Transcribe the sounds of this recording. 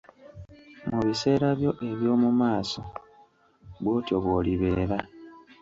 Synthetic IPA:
muβise̞ːɾaβjo̞ʔe̞βjo̞ːmumaːso̞ | βwo̞ːto̞βwo̞liβe̞ːɾa

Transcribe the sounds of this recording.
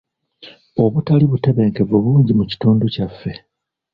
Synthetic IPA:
o̞βutaliβute̞βe̞ːŋke̞vuβuːɲɟimuci̥tuːnducafːe̞

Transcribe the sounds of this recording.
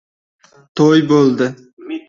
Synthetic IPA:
t̪ʰojbolˠd̪ɪ

